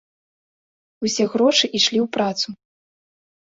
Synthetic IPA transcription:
usʲɛɣɾɔʂɨʔiʂlʲiwpɾat̪su

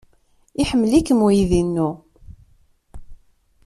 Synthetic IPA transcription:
iħəmːəlikːəmujiðinːu

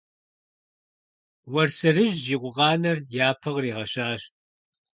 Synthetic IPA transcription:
wɐrsɨrɨʒʒiːqʷʊʁɑːnɐrjaːpʰɐʁriːʁɐɕaːɕt̚ʼ

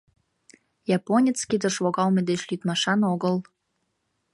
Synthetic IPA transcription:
jɑponʲet͡skid̪ə̆ʃβoɣɑlmed̪et͡ɕlyt̪mɑʃɑnoɣəl

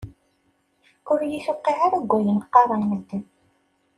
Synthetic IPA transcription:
ʊɾjiθʊqːiʕaɾæɡʷːæjənqːɑɾˤɑməd̪ːən

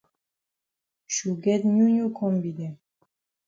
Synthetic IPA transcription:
ʃuɡɛd̪ɲuɲukʰɔmbid̪ɛ

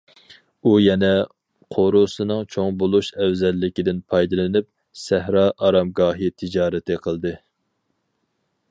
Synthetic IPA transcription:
ujɛnɛ | qʰoɾosɨnɨŋt͡ʃʰoŋbolˠuʃɛwzɛlːɪkʲid̪ɪnpʰɑjd̪ɨlˠɨnɪp̚ | sɛhɾɑːʔɑɾɑmɡɑːɦit̪ʰɪd͡ʒɑːɾɪt̪ʰɨqʰəlˠd̪ɨ

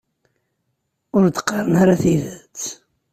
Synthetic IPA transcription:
ʊɾd̪ə̥qːɑɾˤənaɾaθiðət͡sː

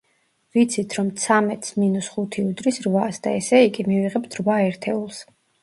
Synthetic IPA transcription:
vit̪sʰit̪ʰɾɔmt̪sʰamɛt̪ʰsminusχut̪ʰiud̪ɾisɾvasd̪aɛsɛiɡimiviʁɛbt̪ʰɾvaɛɾt̪ʰɛulˠs

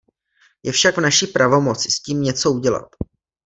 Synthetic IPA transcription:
jɛfʃaɡvnaʃipɾavo̞mo̞t͡sɪ̥sciːmɲɛt͡so̞uɟɛla̰t̪

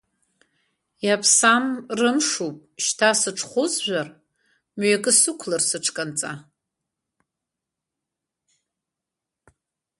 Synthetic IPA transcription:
japʰsamrɨmʂupʼʃtʰasɨʈ͡ʂʰχʷʊzʒᶣʷar | mɥakʼɨsɨkʷʰlarsɨʈ͡ʂʰkʼant͡sʼa

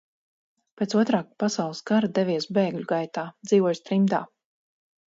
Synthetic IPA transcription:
pʲet̪uɔt̪ɾaːk̚pasawlˠɨskaɾad̪ɛviɛsbeːɡlʲuɡajt̪aːd̪z̥iːvɔjst̪ɾimd̪a̰ː

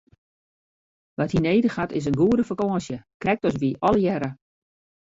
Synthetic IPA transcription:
ʋathineːdəxatɪs̬ənɡuədəfəkɔəsjəkrɛk̚tɔs̬ʋiʔɔləjɛɾə

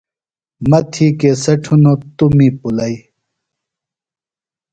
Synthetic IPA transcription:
mɐt̪ʰiːkesɐʈʰunõt̪umiːpulɐi

